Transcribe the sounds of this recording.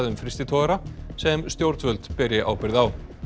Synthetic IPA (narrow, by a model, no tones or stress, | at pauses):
ðʏmfɾɪst̪ɪt̪ʰɔɣaɾasɛmst̪jowɾt̪vœlt̪pɛɾɪʔa̰ːwpɪɾɪðaw